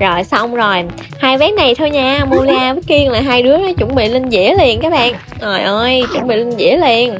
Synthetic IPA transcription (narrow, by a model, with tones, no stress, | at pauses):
zo˨˩jsa˧wŋ͡mzo˨˩j | haː˧jvɛː˨˦˥nna˨˩jt̪ʰə˧jɲaː˧mo˧li˧aː˧və˦˥t̚ːi˧əŋlaː˨˩ɦaː˧jɗɨ˨˦˥ənɔ˨˦t͡ɕʊ̰˧˩ŋ͡mɓḭ˧˨li˧nzḭ˧˥əle˧˩ənkaː˦˥k̚ɓa̰ː˧˨ŋ | ʔə˨˩jʔəː˧jt͡ɕʊ̰˧˥˦ŋ͡mɓḭ˧˨li˧nzḭ˧˥əle˧ən